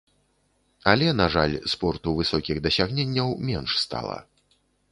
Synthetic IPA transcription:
ɐlʲɛnaʐalʲspɔrt̪uvɨsɔkʲiɣd̪ɐsʲaɣnʲɛnʲːɐwmʲɛnʂst̪a̰lˠɐ̰

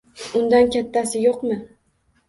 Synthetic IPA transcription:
ʊnd̪ankʲat̪ʰːasɪjoqmɪ

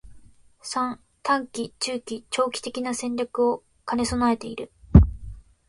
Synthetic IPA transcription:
sãŋ | t̪ʰãŋkʲit͡ɕɨːkʲit͡ɕo̞ːkʲi̥t̪e̞kʲinasẽ̞ɲʲɾʲakɯ̟o̞ | kane̞so̞nae̞t̪e̞iɾɯ̟

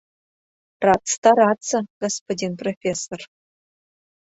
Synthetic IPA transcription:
rɑst̪aɾɑt͡səɡ̥ospodʲinprofʲesor

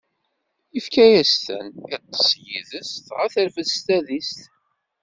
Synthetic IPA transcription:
ifkæjæst̪æ̰nit̪ˤːə̥sjiðəst̪ʁæθəɾfəðst̪æðist̪

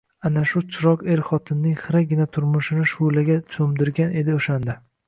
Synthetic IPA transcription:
anaʃʊt͡ʃʰɪɾɒqe̞ɾχɒt̪ʰɪnːɪŋχɨɾaɡʲɪnat̪ʰʊɾmʊʃɪnɪʃʊlaɡʲat͡ʃʰomd̪ɪɾɡʲane̞d̪ɪoʃand̪a

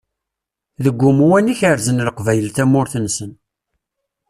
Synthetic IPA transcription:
ðəɡʷːʊmuwæniçəɾzənləqvæjəlθæmːʊɾθənsən

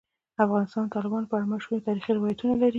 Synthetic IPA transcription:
afɣɑnɪst̪ɑnt̪ɑlɪbɑnopəaɽamaʃut̪ɑɾixiɾɪwɑjat̪unalaɾi

